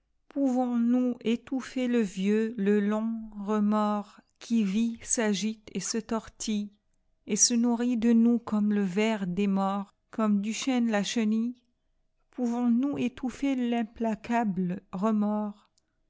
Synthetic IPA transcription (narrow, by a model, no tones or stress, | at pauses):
puvɔ̃nuet̪ufeləvjøləlɔ̃ʁəmɔʁkʲʰivisaʒit̪esət̪ɔʁt̪ʰi | esənuʁid̪ənukɔmləvɛʁd̪emɔʁ | kɔmd̪yʃɛ̃nlaʃəni | pʰuvɔ̃nuet̪ufelɛ̃plakʰabləʁəmɔːʁ